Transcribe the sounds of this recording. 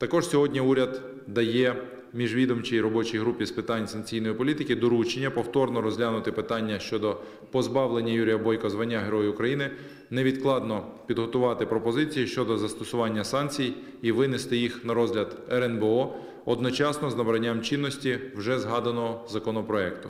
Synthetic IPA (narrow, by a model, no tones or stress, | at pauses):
t̪ɐkɔʃsʲɔɦɔdʲnʲiuɾʲɐd̪ | d̪ɐjɛ | mʲiʒʋʲid̪ɔmt͡ʃijiɾɔbɔt͡ʃijɦɾupʲispɪt̪ɑnʲsɐnkt͡sʲijnɔjipɔlʲit̪ɪkɪd̪ɔɾut͡ʃenʲːɐpɔwt̪ɔrnɔɾɔzʲɦlʲanʊt̪ɪpɪt̪ɑnʲːɐʃt͡ʃɔd̪ɔ | pɔzbɑwlˠenʲːɐjuɾʲijɐbɔjkɔzʋɐnʲːaɦeɾɔjʊʊkɾɐjinɪ | nɛʋʲid̪klˠɑd̪nɔpʲid̪ɦɔt̪ʊʋɑt̪ɪpɾɔpɔzɪt͡sʲijiʃt͡ʃɔd̪ɔzɐst̪ɔsʊʋɑnʲːɐsɑnkt͡sʲij | iʋɪnɪst̪ɪjixnɐɾɔzʲɦlʲɐd̪ɛɾɛnbeɔ | ɔd̪nɔt͡ʃɑsnɔznɐbɾɐnʲːamt͡ʃinːɔsʲtʲiwʒɛzɦɑd̪ɐnɔɦɔzɐkɔnɔpɾɔɛkt̪ʊ